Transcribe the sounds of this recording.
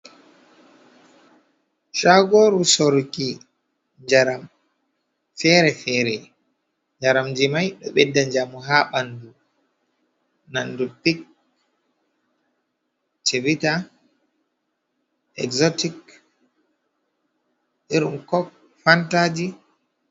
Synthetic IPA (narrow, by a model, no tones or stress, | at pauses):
ʃaɡoɾusoɾki | ɲd͡ʒaɾam | fɛɾɛfɛːɾɛ | ɲd͡ʒaɾamd͡ʒimajɗɔɓɛdːaɲd͡ʒamuɦaɓandu | nandupik̚ | tʰevita | ɛ̰ɡzotik | iɾṵmkɔk̚ | fantad͡ʒi